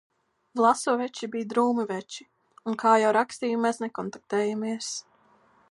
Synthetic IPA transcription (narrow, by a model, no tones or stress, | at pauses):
vlˠasuːvɛt͡ʃibijd̪ɾuːmɨvɛt͡ʃi | unkʰaːjawɾakst̪iːumɛsnɛkɔnt̪ak̚t̪ɛːjamiɛs